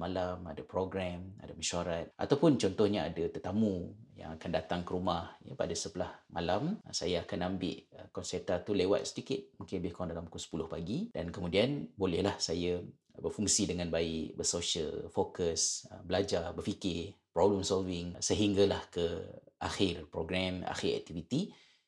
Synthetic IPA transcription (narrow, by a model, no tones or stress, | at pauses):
malamadapɾoɡɾama̰daməʃuaɾat̪̚ʔa̰t̪awpʊnt͡ʃɔnt̪ɔhɲaadat̪ət̪amũja̰ŋakandat̪aŋkəɾumahja̰pa̰dasəpəlahmalamsajaakanambɪ̰ʔkɔnsɛt̪at̪ulewa̰t̪̚sə̥t̪ikɪt̪̚mukɪnbɪhkɔŋdalamkusə̥pulʊhpaɡid̥a̰nkəmudianbolɛhlahsaja | bərfuŋsidəŋanbaɪ̰ʔbərsoʃə̰lfokəsəbəlad͡ʒarbərfikɪpɾobləmsɔlvɪŋsəɦiŋɡalahkəʔa̰xɪrpɾoɡɾama̰xɪɾɛ̰k̚t̪ivit̪i